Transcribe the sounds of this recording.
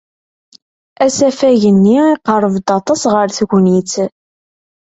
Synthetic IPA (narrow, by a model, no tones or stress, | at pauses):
æsæfæʝənːiiqərˤəvd̪ɑt̪ˤɑsʁəɾθʝʷniθ